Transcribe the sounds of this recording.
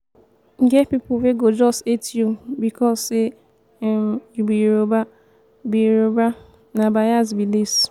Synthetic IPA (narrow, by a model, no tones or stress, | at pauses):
ŋ̩ɡepipʊfeɡod͡ʒɔstetjubikʰɔse | mjubiɾoba | biɾoba | nabajaz̬bilis